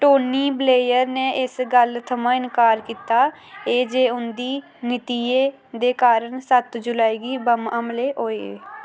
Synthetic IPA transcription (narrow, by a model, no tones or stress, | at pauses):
ʈoːniːbleːjəɾnẽːʔɪsɡəlt̪ʰəmãːɪnkaːɾkiːt̪aː | eːd͡ʒeːʊnd̪iː | nɪt̪ieː | d̪eːkaːɾəɳsət̪d͡ʒʊlaːiːɡiːbəməmleːʔoːeḛː